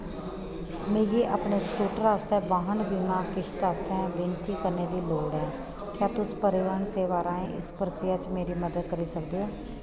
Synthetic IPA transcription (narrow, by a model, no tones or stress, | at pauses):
mẽːjeːʔəpneːsʈuːʈɾaːst̪ɛːbaːɦənbiːmãːkɪʃt̪aːst̪eɦɛ̃ːʋɪnt̪iːkəɾneːd̪iːloːɖɛ̃ː | kjaːt̪ʊspəɾɪʋaːɳseːʋaːɾaːẽʔɪ̰spɾəkɾɪjat͡ʃmeːɾiməd̪əd̪̚kəɾisəkd̪iːɦoː